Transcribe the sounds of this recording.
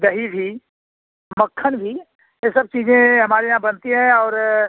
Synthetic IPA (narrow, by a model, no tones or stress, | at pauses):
d̪ɐɦibʱi | mɐkʰːənbʱi | jesɐb̚t͡ʃiːzẽɦɐmaːɾejɦãbɐnt̪iɦɛ̃ɔːɾ